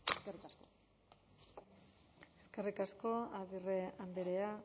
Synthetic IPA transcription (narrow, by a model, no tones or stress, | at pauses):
eserikasko | eskerikasko̞aðireambeɾea